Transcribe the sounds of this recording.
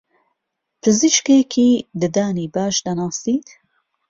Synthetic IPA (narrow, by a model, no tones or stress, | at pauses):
pʰɨziʃkeːkʰiːd̪ɨd̪aːniːbaːʃd̪anɑːsiːt̪